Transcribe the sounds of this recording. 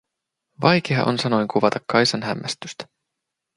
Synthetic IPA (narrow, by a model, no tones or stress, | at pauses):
ʋɑjk̟eɑ̰ʔo̰nsɑno̞jŋkʰuʋɑt̪ɑkːɑjsɑnɦæmːʔæst̪yst̪æ̥